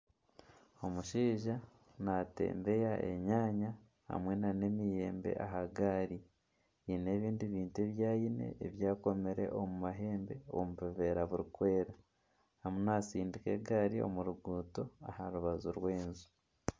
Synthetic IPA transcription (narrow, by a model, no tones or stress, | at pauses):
o̞muʃiːʒa | nate̞̰ːmbe̞jaʔḛɲaːɲa | ha̰mwe̞nane̞mije̞ːmbe̞̰ʔaɦaɡaːɾi | ine̞ːβiːndiβiːntueβjaːjine̞̰eβjaːko̞meɾe̞̰ʔo̞mumaɦe̞ːmbe̞omuβiβe̞ɾaβuɾikwe̞ːɾa | hamunaːsiːndike̞̰ɡaːɾio̞̰muɾuɡuːto̞a̰haɾuβazuɾwe̞ːnzu̥